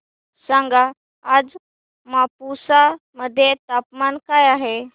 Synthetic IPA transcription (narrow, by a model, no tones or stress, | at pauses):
sãŋɡa | ad͡z | mapusa | məd̪ʱːjet̪apmankajaɦe